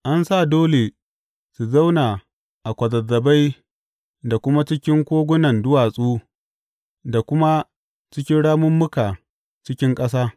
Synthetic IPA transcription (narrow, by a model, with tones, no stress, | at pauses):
ʔa˦nsa˦˨doː˦le˨ | su˨za˦wnaː˨ | ʔa˨kʷɐ˨zɐ˨zːɐ˨ba˦j | da˨kʷʊ˦ma˦t͡ʃɪ˦kʲɪ˦ŋkʷoː˦ɡʷʊ˦nɐ˨ndʊ˦waː˨sʼuː˦ | da˨kʷʊ˦ma˦ | t͡ʃɪ˦kʲɪ˦nɽaː˦mʊ˦mːʊ˦kaː˨ | t͡ʃɪ˦kʲɪ˦ŋkʼɐ˦saː˦